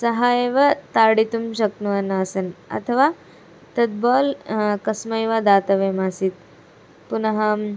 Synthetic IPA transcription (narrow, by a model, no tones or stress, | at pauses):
sɐɦaːjeːʋɐt̪aːɽit̪umʃɐknuɐnːɐːsɐnɐ̰t̪ʰɐʋaː | t̪ɐd̪̚bɔːlkɐsmɐjʋad̪aːt̪ɐʋeːmasit̪ | punɐɦɐm